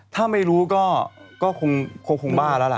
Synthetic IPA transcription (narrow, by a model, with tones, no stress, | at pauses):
t̪ʰaː˥˩ma˥˩jɾuː˦˥kɔː˥˩kɔː˥˩kʰo˧ŋkʰo˧ŋkʰo˧ŋbaː˥˩laː˦˥la̰˨˩ʔ